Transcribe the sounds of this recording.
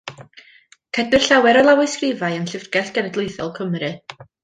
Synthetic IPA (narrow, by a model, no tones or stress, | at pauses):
kʰɛdɨrɬawɛɾɔlˠawɨɨskrɪvajənɬɪvrɡ̥ɛɬɡ̥ɛnɛdlˠʊɨθɔ̰lˠkʰəmrɨ